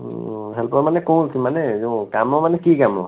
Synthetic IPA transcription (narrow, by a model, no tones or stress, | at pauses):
ɦɛlpɔɹamanɛkõw̃lkimanɛzɔ̃kamɔmanɛkikamɔ̰